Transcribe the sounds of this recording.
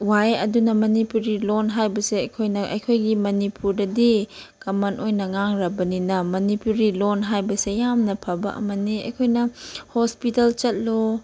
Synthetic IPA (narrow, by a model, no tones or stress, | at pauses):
wajɐ̰dunɐmɐnipuɾilonɦajbɐseɐjkʰojnɐʔɐ̰jkʰojɡimɐnipʰuɾdɐdikɐmanojnɐŋaŋɾɐbɐninɐmɐnipuɾilonɦajbɐsejamnɐpʰɐbɐ̰ʔɐ̰mɐniɐ̰jkʰojnɐhospitɐlt͡ʃɐt̚lo